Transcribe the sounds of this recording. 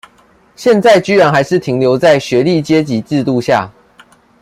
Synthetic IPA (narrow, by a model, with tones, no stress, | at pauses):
ɕjɛ˥˧nt͡sa˥˨ɪt͡ɕy˥ɻa˧˦nxa˨˧˥ɪʂɻ̩˥˨t̪ʰi˨˦ŋljo˧˦ʊt͡sa˥˩ɪɕɥɛ˨˦li˥˨t͡ɕje˦t͡ɕi˨˦t͡sɻ̩˥˧t̪u˥˨˧ɕja̰˥˨